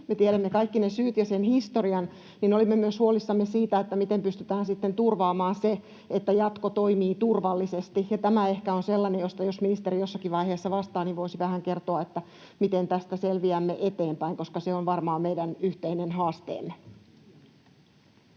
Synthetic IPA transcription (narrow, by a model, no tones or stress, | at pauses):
met̪ieɾæmːekɑikːinesyːt̪jɑsenhist̪oriɑn | ninolimːemyøshuolisːɑmːesiːt̪æet̪ːæmit̪empyst̪yt̪æːnsit̪ːent̪urʋɑːmɑːnse | et̪ːæjɑt̪kot̪oimiːt̪urʋɑlːisest̪ihjɑt̪æmæehkæonselːɑnejjost̪ɑjosminist̪eɾijosːɑkiʋɑjheːsːɑʋɑst̪ɑːniʋʋoisiʋæhæŋkert̪oɑet̪ːæ | mit̪ent̪æst̪æselʋiæmːeʔet̪e̞ːmpæiŋkoskɑseonʋɑrmɑːmmeidænyht̪einenhɑːst̪ḛːmːe